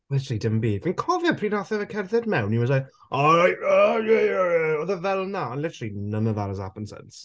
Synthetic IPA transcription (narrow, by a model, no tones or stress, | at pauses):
lɪtʰəɾəlˠidəmbimənkʰɔvjəpʰriːnaθɛvəkʰɛrθɛdmɛwniwɔsaj | ajəjɛjɛjɔðəvɛlˠnaɔnlɪtʰəɾəlˠinəməðaɾəza̰pənsɛ̰ns